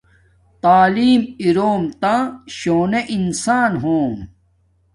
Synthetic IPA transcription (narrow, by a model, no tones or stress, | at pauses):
t̪aːliːmiɾoːmt̪aɕoːneʔinsaːnɦõːm